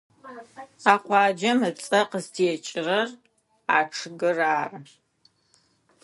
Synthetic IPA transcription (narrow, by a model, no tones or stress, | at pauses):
aːqʷɑːd͡ʒɐmɨt͡sʼɐqəztʰiɛt͡ʃʼɪrɐr | aːʈ͡ʂʰɨɡɨraːrɨ